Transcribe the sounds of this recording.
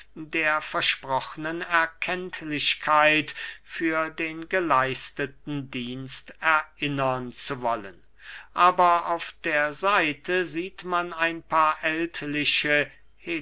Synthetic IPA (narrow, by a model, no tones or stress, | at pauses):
deːɐfɛɐʃpʁ̥ɔxənənɛɐkʰɛntʰlɪɕkʰaɪtfyːɐdeːnɡəlaɪstətn̩diːnstɛɐʔɪnənt͡suvɔlən | ʔaːbɐʔaʊfd̥eːɐzaɪtʰəziːtmanaɪnpʰaːɐʔɛltʰlɪʃə | he